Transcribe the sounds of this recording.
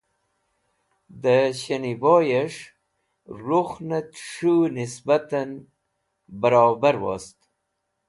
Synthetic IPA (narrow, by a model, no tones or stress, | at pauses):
d̪əɕəniboːjaʂ | ɾuxnat̪ʂunisbat̪an | bəɾoːbaɾwo̰st̪